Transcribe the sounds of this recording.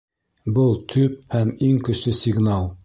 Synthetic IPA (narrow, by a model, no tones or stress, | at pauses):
bɤlˠt̪ʰɵp̚hæmiŋkɵ̆ʃlɘsʲɪɡnɑlˠ